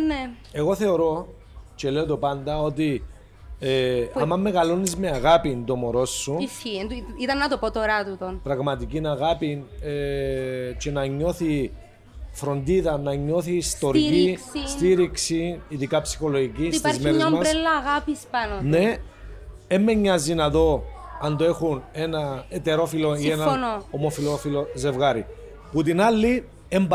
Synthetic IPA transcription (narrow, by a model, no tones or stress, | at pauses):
ne | eɣo̞θe̞oɾo̞ | t͡ʃe̞le̞ot̪opɐnd̪ɐo̞t̪i | eɐmːɐmːeɣɐlo̞nizmeɐɣapind̪o̞moɾo̞sːuiit̪ɐnːɐt̪opot̪oɾɐt̪ut̪onpɾɐɣmɐt̪icinɐɣɐpine | t͡ʃe̞nɐɲːo̞θi | fɾo̞nd̪iðɐnɐɲːo̞θiːst̪o̞ɾkisst̪iɾiksiːðikɐpsi̥xo̞loʝiciit̪ɐzmeeɲɐommɐɾelːɐɣɐpispɐnone̞ | emːeɲːɐzinɐðo̞ɐnd̪oe̞xune̞nɐet̪e̞ɾo̞filo̞ienɐonoomofilofiloze̞vɣɐɾi | put̪inɐlːi | emb